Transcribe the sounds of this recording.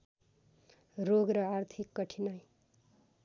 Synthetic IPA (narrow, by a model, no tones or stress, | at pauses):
ɾoɡɾʌart̪ʰikːʌʈʰinʌj